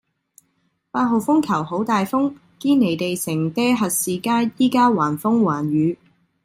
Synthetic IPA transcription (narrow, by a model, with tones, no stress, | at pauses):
paː˧t̚ɦo˨˧wfʊ˥ŋkʰɐ˨˩who˨˥wt̪aː˨jfʊ˥ŋ | kiː˥ne˨˩jt̪e˨jsɪ˨˩ŋt̪ɛː˥ɦɐ˨t̚siː˨˧kaː˥jjiː˥kaː˥waː˨˩nfʊ˥ŋwaː˨˩nɥyː˨˧